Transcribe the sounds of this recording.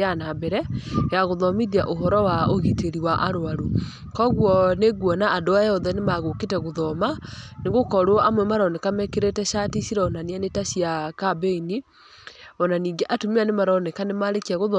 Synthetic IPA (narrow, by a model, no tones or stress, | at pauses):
anabɛɾɛjaɣoðɔmiðiaʔoɦɔɾɔwaoɣiteɾiwaʔaɾoaɾo | kɔɣwɔneɣwɔnaːdoajɔðɛnemaɣoketɛɣoðɔma | neɣokɔɾwɔʔamwɛmaɾɔnɛkamɛkeɾetɛʃatisiɾɛɔnanianetasiakabeini | ɔnaniːŋɡeʔatomianemaɾɔnɛkanemaɾekiaɣoðɔ